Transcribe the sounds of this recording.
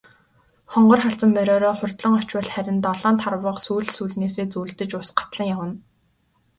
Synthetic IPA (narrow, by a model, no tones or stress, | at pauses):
χɔɴɢɞ̆rχaɬt͡sə̆mːœɾʲɔːɾɔːχʊrt̪ɮə̆ŋɔt͡ɕwə̆ɮχæɾʲɪ̆nt̪ɔɮɔːnt̪ʰarwə̆qsuːɮsuɮneːseːt͡suːɮt̪ɘ̆t͡ɕʊsɢḁt̪ɮə̆ŋjawə̆n